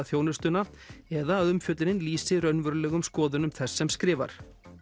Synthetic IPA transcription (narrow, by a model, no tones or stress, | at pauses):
θjoːwnʏ̥st̪ʏna | ɛðaːðʏmfjœt̪lɪnɪnliːsɪɾœɥnvʏɾlɛːɣʏmskɔːðʏnʏmθɛsːɛmskɾɪːva̰ɾ̥